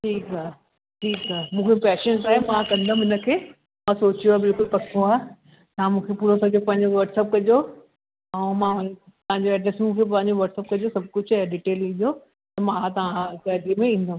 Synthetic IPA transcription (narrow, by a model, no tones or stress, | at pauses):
ʈʰiːkaɦ | ʈʰiːkaɦmũːkʰepɛːʃənzaːɦemãːkɐ̃nd̪oũɪnə̆kʰeː | mãsoːt͡ɕijoaːbɪlkʊlpɐkʰoaː | t̪ɐãmũːkʰepuːɾosɐd͡ʑopɐ̃ɦɪ̃ɲd͡ʑoʋɐɾʈsəp̚kɐd͡ʑo | ɐ̃mãʊt̪ɐɦãɲd͡ʑoɛːɖɾesmũːkʰep̬ɐ̃ɦɪ̃ɲd͡ʑoʋɐɾʈsəp̚kɐd͡ʑosɐb̚kʊd͡ʑʰaɖiːʈeːlĩːʄo | t̪ɐmãat̪ɐʋãkaːʈɾimẽĩːn̆d̪oũː